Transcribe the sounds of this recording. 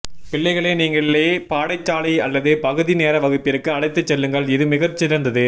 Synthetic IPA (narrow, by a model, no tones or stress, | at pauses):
pɪɭːɐɪɣɐɭeːniːŋɡɐɭɪlepaːɽɐɪt͡ʃːaːɭɐɪɐlːɐðɯpɐɣɯðineːɾɐʋɐɣɯpːɪɾɯkːɯɐɭɐɪt̪ːɯt͡ʃːɛlːɯŋɡɐɭɪðɯmɪɣɐt͡ʃːɪɾɐnd̪ɐðɯ